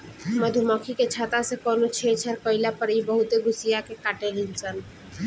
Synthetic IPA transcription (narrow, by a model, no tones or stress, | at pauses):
məd̪ʱumɔkʰiket͡ʃʰaːt̪asekɔnot͡ʃʰet͡ʃʰəɾkəɪlapəɾibəɦut̪eɡʱusijakekaʈelilt͡ʃʰən